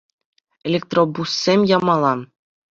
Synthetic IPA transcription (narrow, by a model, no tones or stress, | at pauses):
elʲek̚t̪robusːʲemʲjɑmɑlˠɑ